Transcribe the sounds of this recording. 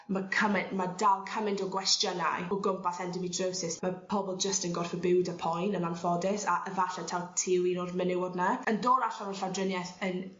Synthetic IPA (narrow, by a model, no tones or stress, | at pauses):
makʰəmɪnmadalˠkʰəmɪntɔɡwɛstjəna̰jɔɡʊmpasɛndɪmidrəwsɪsmapʰɔbɔlˠd͡ʒəstənɡɔr̥fəbɪwdəpʰɔjnənanfɔdɪsaʔəvaɬɛtʰatʰiwinɔdmɪnɪwɔdnaəndɔːɾaɬavəɬadrənjɛθən